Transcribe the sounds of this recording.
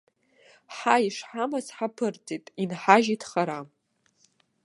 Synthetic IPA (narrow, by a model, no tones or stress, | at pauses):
ħaiʂħamazħapʰɨrt͡sʼitʼinħaʒitʰχaɾam